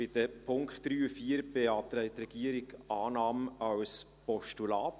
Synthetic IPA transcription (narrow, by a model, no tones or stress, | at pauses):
bɪd̥əpʰʊŋkχtɾyːfiəɾbeɑːt̪ɾɛɪt̪ɾɛɡ̥iəɾɪɡʔɑːnɑːmɑws | pɔʃtulɑːt